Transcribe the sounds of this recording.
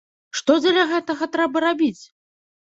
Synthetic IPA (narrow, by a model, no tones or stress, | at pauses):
ʂt̪ɔd͡zʲɛlʲaɣɛt̪ɐɣɐt̪ɾɛbɐɾabʲit͡sʲ